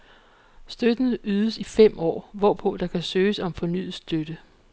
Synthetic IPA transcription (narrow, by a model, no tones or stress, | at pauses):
sd̥ød̥n̩yːð̞ˠəsifem̰ɒ̰ːʋɒpʰɔ̽d̥ɑ̈kʰæsøːsɒ̽mfɒ̽ny̰ð̩ˠsd̥ød̥ə